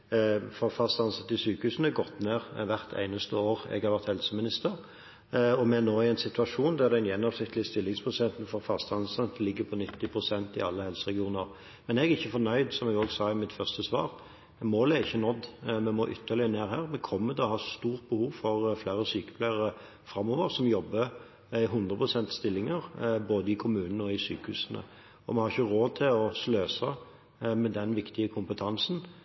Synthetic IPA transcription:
fɔɾfɑst̪ɑnsɑt̪ːɪsyːkəhʉːsənæɡɔt̪ːneːʁʋæʁt̪ʰæ̰ɪnəst̪əoːɾɛ̰ɡhɑɾʋæʁt̪hɛlsəmɪnɪst̪əɾ | ɔmɛnoːɪæɪnsɪt̪ʉʋɑʂuːnd̪æʁd̪ɛɪnjɛnːɔʋsnɪt̪ʰːlɪst̪ɪlːɪŋspʰɾʊsɛnt̪nfɔɾfɑst̪ɑnsɑt̪lɪɡːəpʰɔnɪt̪ːɪpʰɾʊsɛnt̪ɪ̰ɑlːəhɛlsəɾɛɡɪuːnəɾ | mɛnɛɡɪçːəfɔɾnœʏd̪sɔmɛɡoːɡsɑːmɪt̪fœʁst̪əsʋɑ̰ːʁ | moːlæɾɪçːənɔd̪mɛmoːʔʏt̪ʰːəlɪneːɾɦæːɾmɛkʰɔmːəd̪ɛɔhɑst̪uːʁt̪̚bəhuːʋfɔɾflæːɾəsyːkə̥plæɪəɾə | fɾɑmːoːʋəɾsɔmjɔbːə | ɪɦʊnd̪ɾəpʰʁʊsɛnt̪st̪ɪlːɪŋəɾboːd̪əɪkʰʊmʉːnən̩ɔɪsyːkəhʉːsənə̰ | ɔmɛhɑɾɪçəɾoːt̪ʰɪlɔsløːsɑ | mɛd̪ɛnʋɪkt̪ɪəkʰʊmpət̪ʰɑnsn̩

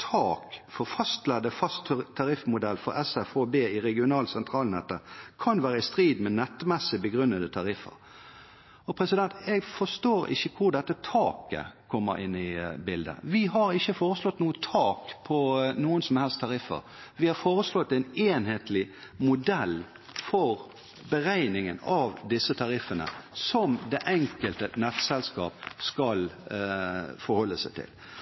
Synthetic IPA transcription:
t̪ʰɑːkfɔɾfɑst̪lɛd̪əfɑst̪t̪ʰːɑɾɪfmʊd̪ɛlːfɔ̰ɾɛsɛfoːbeːɪɾɛɡɪʊnɑːlsɛnt̪ʰɾɑːlnɛt̪ːəkʰɑnʋæːɾəɪst̪ɾiːd̪mɛnɛt̪ːmɛsːɪbəɡʁʉnːəd̪ət̪ʰɑɾɪfə̰ɾ | ɔpʰɾɛsɪd̪ɛnt̪ɛɡfɔst̪oːɾɪ̰çːəkʰʊd̪ɛt̪ːət̪ʰɑːkə̰kʰɔmːə̰ɾɪ̰nːɪbɪld̪ə̰ʋɪɦɑɾɪçːəfoːɾəslɔt̪nuːət̪ʰɑːkpʰɔnuːənsɔmhɛlst̪ʰɑɾɪfːə̰ɾ | ʋɪhɑɾfoːɾəslɔt̪ːɛneːnheːt̪ʰlɪmʊd̪ɛlː | fɔɾ | bəɾæɪnɪŋənɑʋd̪ɪsːət̪ʰɑɾɪfːənə̰sɔmd̪ɛʔɛŋkəlt̪ənɛt̪sɛlskɑ̰ːpskɑl | fɔɾhɔlːəsæɪt̪ʰɪ̰l

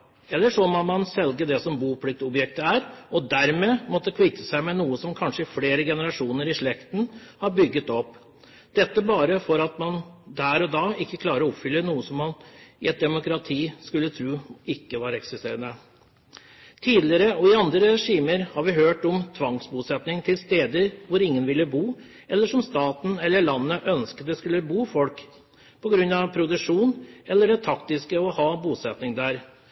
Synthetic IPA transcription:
ɛlːəʂɔmɔmɑnsɛlɡəd̪ɛsɔmbuːpʰlɪk̚t̪ɔbjɛk̚t̪əæɾɔd̪æɾmeːmɔt̪ːəkʰʋiːt̪əsæɪmɛnuːəsɔmkʰɑnʂəɪfleːɾəɡɛnəɾɑʂuːnəɾɪʂɭɛkt̪n̩hɑɾbʏɡːət̪ɔpː | d̪̥ɛt̪ːəbɑːɾəfɔɾɑt̪mɑnd̪æːɾɔd̪ɑːɪkːəkʰlɑːɾəɔɔpfʏlːənuːəsɔmːɑnɪɛt̪̚d̪ɛmʊkɾɑt̪ʰiːskʉlːət̪ʰɾuːɪkːəʋɑɾɛksɪst̪eːɾənə | t̪ʰiːd̪lɪəɾəɔɪɑnd̪ɾəɾɛʂiːməɾhɑɾʋɪɦøːʈɔmt̪ʰʋɑŋsbuːsɛt̪nɪŋt̪ʰɪlst̪eːd̪əɾʋʊɾɪŋːənʋɪlːəbuː | ɛlːəʂɔmst̪ɑːt̪n̩ɛlːəɭɑnːəʔœnskət̪̚d̪ɛskʉlːəbuːfɔlk | pʰɔɡɾʉnːɑʋpʰɾʊd̪ʉʂuːnɛlːəɖɛt̪ʰɑkt̪ɪskəɔhɑːbuːsɛt̪nɪŋd̪æɾ

